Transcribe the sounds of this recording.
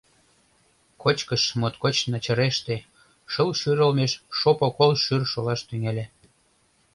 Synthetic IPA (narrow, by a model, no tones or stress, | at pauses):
kot͡ɕkəʃmot̪kot͡ɕnɑt͡ɕə̆ɾeʃt̪e | ʃəlʃyɾəlmeʃʃopokolʃyrʃolɑʃt̪yŋelʲe